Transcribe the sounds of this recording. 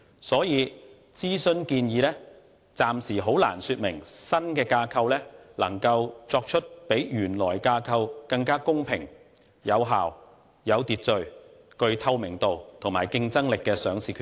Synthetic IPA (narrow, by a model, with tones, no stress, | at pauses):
sɔː˨˥jiː˨˧ | t͡siː˥sɵ˧nkiː˧njiː˨˧lɛː˥ | t͡saː˨msiː˨˩ɦo˨˥wla̰ː˨˩nsyː˧t̚mɪ˨˩ŋsɐ˥nkɛː˧kaː˧kʰɐ˧wlɛː˥lɐ˨˩ŋkɐ˧wt͡sɔː˧k̚t͡ʃʰɵ˥t̚pe˨˥jjyː˨˩nlɔː˨˩jkaː˧kʰɐ˧wkɐ˧ŋkaː˥kʊ˥ŋpʰɪ˨˩ŋ | jɐ˨˧wɦa̰ː˨w | jɐ˨˧wt̪iː˨˧t̚t͡sɵ˨˧ɥ | kɵ˧ɥt̪ʰɐ˧wmɪ˨˩ŋt̪o˨wt̪ʰʊ˨˩ŋmaː˨˩jkɪ˧ŋt͡sɐ˥ŋlɪ˨kːɛː˧sœː˨˧ŋsiː˨kʰː